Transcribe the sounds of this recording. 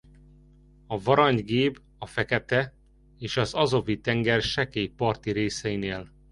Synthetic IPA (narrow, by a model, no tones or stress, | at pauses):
ɒvɒɾɒɲɡeːb | ɒfɛkɛt̪ɛ | eːʃɒzɒzo̞vit̪ɛŋɡɛrʃɛkeːjpɒrt̪iɾeːsɛjineːl